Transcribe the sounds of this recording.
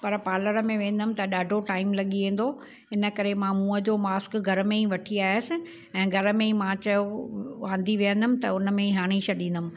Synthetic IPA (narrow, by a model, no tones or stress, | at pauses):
pɐɾpaːləɾəmẽʋẽːn̆d̪ʊmɪ̆t̪ɐɗaːɖʱoʈaːɪmlɐɠiʋẽːn̆d̪o | ɪnə̆kɐɾemãmũːəd͡ʑoːmaːskɡʱɐɾmẽĩʋɐʈʰiaːɪjəsɪ̆ | ɛ̃ːɡʱɐɾəmẽĩmãt͡ɕɐjoʋãːnd̪ʱiʋijə̃nd̪əmɪ̆t̪ɐʊnə̆mẽiɦaːɽ̃it͡ɕʰɐɗĩːn̆d̪əʊmɪ̆